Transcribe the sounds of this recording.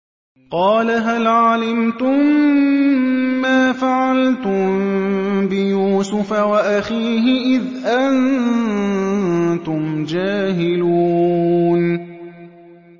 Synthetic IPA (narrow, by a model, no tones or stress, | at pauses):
qɑːlaɦalʕalamt̪ʊm | aːfaʕalt̪ʊmbɪjuːsʊfawaʔaxiːɦɪʔɪðʔan | t̪ʊmd͡ʒaːɦɪluːn